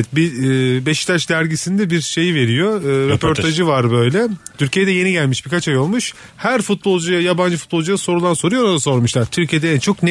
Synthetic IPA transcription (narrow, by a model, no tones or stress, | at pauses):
ɛt̪̚bibɛʃt̪ʰaʃd̪æɾɟisind̪ɛbiɾʃe̞jive̞ɾijo̞ɯːɾepʰo̞ɾt̪ʰaʒɯvaɾbø̞jlʲɛt̪ʰyɾcʰijed̪ɛje̞niɟælʲmiʃbiɾkat͡ʃajo̞lˠmuʃ | hæɾfut̪̚bo̞lˠd͡ʒujajaband͡ʒɯfu̥t̪̚bolˠd͡ʒujaso̞ɾulˠanso̞ɾujoɾonaso̞ɾmuʃlˠaɾt̪ʰyɾcʰije̞d̪ɛɛnt͡ʃʰo̞kn